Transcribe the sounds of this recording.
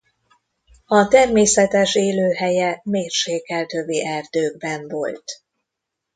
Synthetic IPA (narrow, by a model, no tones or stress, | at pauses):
ɒt̪ɛrmeːsɛt̪ɛʃeːløːɦɛjɛmeːrʃeːkːɛlt̪øbiʔɛrd̪øːɡbɛɱvo̞lt̪